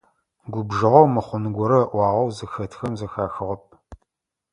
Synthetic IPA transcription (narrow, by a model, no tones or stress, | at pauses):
ɡʷʊbʒɨʁɐwmɨχʷʊnɨɡʷɔɾɐʔʷɑːʁɐwzɨxɐtʰxɐmzɐxaːxɨʁɐp̚